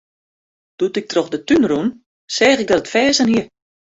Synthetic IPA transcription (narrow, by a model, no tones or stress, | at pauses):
d̥utɪk̚troxdətynrun | sɛːχɪk̚dɔtətfɛːzənhiə